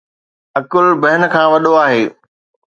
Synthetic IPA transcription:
ɐkʊlbɐɦɪnə̆kʰãːʋɐɗoaːɦeː

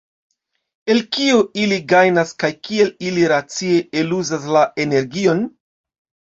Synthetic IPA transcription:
e̞lkioiliɡajnaskajkie̞liliɾat͡sie̞e̞luzas̬laʔe̞ne̞ɾɡio̞n

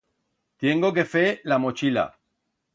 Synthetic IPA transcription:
t̪jeŋɡok̬efelamot͡ʃila̰

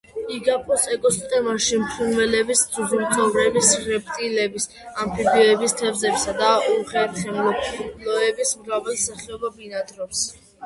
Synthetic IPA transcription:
iɡapʼɔsɛkʼɔst̪ʼɛmaʃimpʰɾunvɛlɛbisd̪uzult̪ʰʼɔvɾɛbisχɾɛpʼt̪ʼilɛbis | ampʰibiɔɛbist̪ʰɛvzɛpsad̪auχɛɾt̪χɛmlɔpblɔɛbismɾavɛlˠsaχɛɔbabinad̪ɾɔps

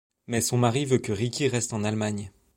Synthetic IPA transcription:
mɛsɔ̃maʁivøkəʁikʲiʁɛst̪ɑ̃nalmaɲ

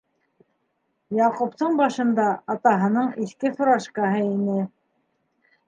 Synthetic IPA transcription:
jɑqupt̪ɤɴbɑʃɤ̆nd̪ɑɑt̪ɑɦɤ̆nɤɴiθkɘθoɾɑʃkɑɦɤinɘ

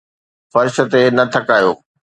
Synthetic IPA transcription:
xɐɾɪʃə̆t̪enɐt̪ʰɐkaːjo̰ː

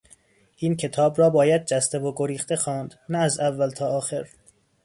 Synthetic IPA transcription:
ʔiːncʰe̞t̪ʰɒːbɾɒːbɒːjæd̪̚d͡ʒæst̪eboɡoɾiːxt̪e̞xɒːnd̪næːzævːælt̪ʰɒːɒːxe̞ɾ

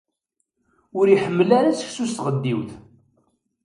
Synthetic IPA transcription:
ʊɾiħəmːəlaɾasəçsust̪ʁəd̪ːiwθ

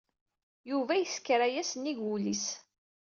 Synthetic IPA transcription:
juvæjəskːɾæjæsniɡulis

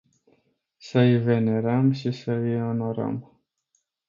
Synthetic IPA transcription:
səjve̞ne̞ɾəmʃisəjono̞ɾə̰m

